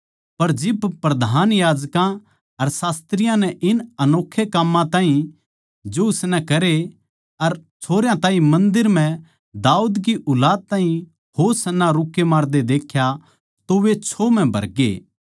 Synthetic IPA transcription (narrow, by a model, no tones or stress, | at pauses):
pɐɾd͡ʒɪbpɾɐd̪ʱaːnjaːd͡ʒkã | ɐɾsaːst̪ɾɪjãnɛʔɪnɐnoːkʰːekamːãt̪aːɦĩ | d͡ʒoʊsnɛkɐɾe | ɐɾt͡ʃʰoːɾjãt̪aːɦĩmɐ̃nd̪ɪɾmɛ̃ | d̪aːuːd̪kiʔʊlaːd̪̚t̪aːɦĩ | hoːɾsɐnːaɾʊkːemaːɾd̪ed̪eːkʰja | t̪oʋet͡ʃʰom̤ɛ̃bʱɐ̰ɾɡḛː